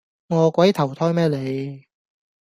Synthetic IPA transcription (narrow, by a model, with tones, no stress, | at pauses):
ŋɔː˨˧kʷɐ˨˥jt̪ʰɐ˨˩wt̪ʰɔː˥jmɛː˥le˨˧j